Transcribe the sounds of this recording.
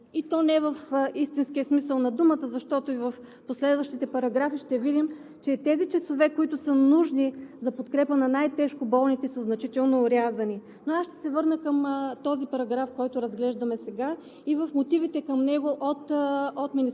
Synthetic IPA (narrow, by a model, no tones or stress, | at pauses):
it̪ɔnɛvəfist̪inskiəsmisəlˠnɐd̪umət̪əzɐʃt̪ɔt̪oivɐf | poslɛd̪vəʃt̪it̪ɛpɐɾɐɡɾafiʃt̪ɛvid̪im | t͡ʃɛt̪ɛzit͡ʃɛsovɛkoit̪ʊsənuʒnizɐpot̪kɾɛpənɐnajt̪ɛʃkobɔlˠnit̪sisəznɐt͡ʃit̪ɛlˠnoːɾʲjazɐni | noasʃt̪ɛ̥sɛvɤɾnəkəmt̪ɔzipɐɾɐɡɾafkɔjt̪ʊɾɐzɡlɛʒd̪ɐmɛsɛɡa | ivəfmot̪ivit̪ɛkɐmnɛɡoʔot̪ot̪mini